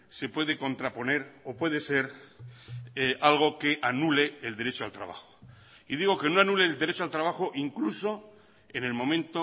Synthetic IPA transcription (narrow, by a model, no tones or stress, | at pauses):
se̞pwe̞ðe̞ko̞nt̪ɾapo̞ne̞ɾopwe̞ð̞e̞se̞ɾ | ealɣ̞o̞ke̞ʔanule̞ːld̪e̞ɾe̞t͡ʃoalt̪ɾa̰βa̰xo̥ | iðiɣ̞o̞ke̞noanule̞ːld̪eɾe̞t͡ʃoalt̪ɾaβ̞axo̞ʔiŋkluso̞ | e̞ne̞lmõ̞mẽ̞nt̪o